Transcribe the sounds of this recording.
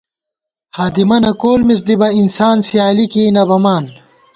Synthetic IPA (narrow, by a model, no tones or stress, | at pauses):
haːd̪imɐnɐkoːlmis̬d̪ibɐinsaːnsijaːlikiːnɐbɐmaːn